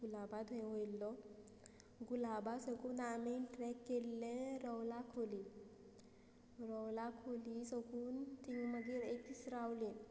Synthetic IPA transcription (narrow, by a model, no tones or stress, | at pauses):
ɡulabad̪̃ʱɦojlːɔ | ɡulabasəkuːnamiʈɾɛkːelːɛ̃ɾɔwlakʰoli | ɾɔwlakʰolisəkuːnt̪iŋɡməɡiːɾekt̪isɾawlẽ